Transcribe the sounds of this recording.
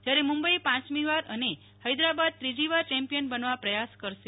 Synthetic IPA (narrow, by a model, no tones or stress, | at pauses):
d͡ʒjaɾemũmbəipãt͡ʃmiʋaɾəne | həjd̪ɾabad̪̚t̪ɾid͡ʒiʋat͡ʃɛ̃mpijənbənʋapɾəjaskəɾʃe